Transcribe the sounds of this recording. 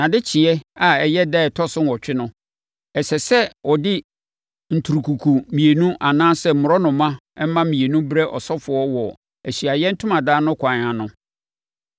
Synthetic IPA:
nã˨dɪ˦t͡ɕʰɪ˨ɛ˦a˨ɛ˨jɛ˦dɛ˦˨ɛ˨tʰɔ˦sʊ̃˦nwɔ˨t͡ɕᶣɪ˦nʊ̃˦ | ɛ˨sɛ˨sɛ˦wɔ˨dɪ˦ | n̩˨tʰu˨ɾu˨kʰu˨kʰu˨mĩ˨e˨nũ˦ʔa˨nãː˦sɛ˦m̩˨mʊ˨ɾɔ˦nʊ̃˨mːã˦ɛ˦m˦mã˦mĩ˨e˨nũ˦bɾɛ˦ʔɔ̰˨sɔ˦fʊ˨ɔ˦wɔ˨ | æ˨ɕi˨a˨jɛ˦n̩˦tʰʊ̃˦mã˨daː˦nʊ̃˦kʰʷã˨ɲ˨ã˨nʊ̃˦

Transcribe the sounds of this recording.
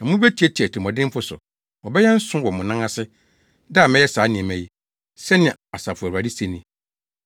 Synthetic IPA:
nã˨mʊ̃˦bɛ˦tʰi˨˦ɛ˦tʰi˨ɛ˨tʰi˨mɔ̃˨dɪ̃˦m˦fʊ˦sʊ̰˨ | wɔ˨bɛ˦jɛ˦n̩˦sʊ̃˦wɔ˨mʊ̃˨nã˦ŋã˦sɪ˦ | da˦a˨mɛ̃˦jɛ˦saː˨˦nɪ̃˨ɛ̃˨mɛ̃˨ji˦ | sɛ˦nɪ̃˨ã˨a˨sa˨fʊ˨æ˨a˨di˦se˨nĩ˨

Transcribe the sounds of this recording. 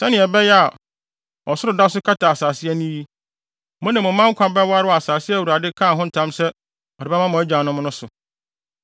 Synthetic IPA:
sɛ˦nɪ̃˨ɛ˨bɛ˦jɛ˦a˨ | ɔ˨sʊ˦ɾʊ˨da˦s̬ʊ˦kʰa˦tʰa˨a˨saː˨sɪ˦ɛ˦nĩ˦ji˦ | mʊ̃˦nã˨mʊ̃˨˦mã˦ŋ̩˦kʷʰã˦bɛ˦wa˦ɾɪ˦ɔ˦˨a˨saː˨sɪ˦æ˨wu˨ɾa˨dɪ˦kʰãː˦˨ɦʊ̃˦n̩˨˦tʰã˦msɛ˦ | ɔ˨ɾɪ˨bɛ˦mã˦mʊ̃˨ɛ˦d͡ʑã˨nʊ̃˦m̃˦nʊ̃˦sʊ˨

